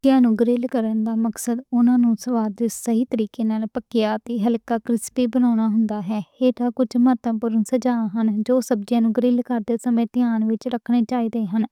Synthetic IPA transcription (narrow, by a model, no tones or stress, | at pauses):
d͡ʒjãːnũːɡɾɪlkəɾənd̪aːməksəd̪ʊnãːnũːsəʋaːd̪ɪsəɦiːt̪əɾiːkeːnaːlpəkɪjaːt̪eːɦəlkaːkɾɪspiːbənaːɽ̃aːɦʊnd̪aːɦɛːeːʈ̪aːkʊd͡ʒməɾt̪əpʊɾənsəd͡ʒaːɦənd͡ʒoːsəb̚d͡ʒjãːnũːɡəɾɪːlkəɾd̪eːsəmẽːt̪ɪjaːnʋɪt͡ʃɾəkʰɽ̃eːt͡ʃaːiːd̪eːɦən